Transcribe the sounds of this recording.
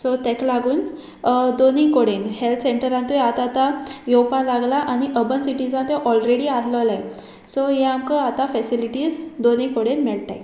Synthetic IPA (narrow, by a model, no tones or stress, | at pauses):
sot̪eklaɡuːn | d̪onikoɽenhelt̪ʰseɳʈəɾãnt̪ujat̪at̪ajowpalaɡlaʔaɽ̃iʔəbənsiʈid͡zãnt̪ẽʔɔlɾeɽiːalləlaj | soɦeaŋkəat̪afɛsiliʈiːd͡zd̪onikoɽenmɛɭt̪a̰j